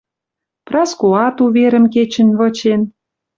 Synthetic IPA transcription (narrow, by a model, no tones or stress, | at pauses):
prɑskoɑt̪uβeɾə̆mket͡ɕə̆nβɤ̆t͡ɕen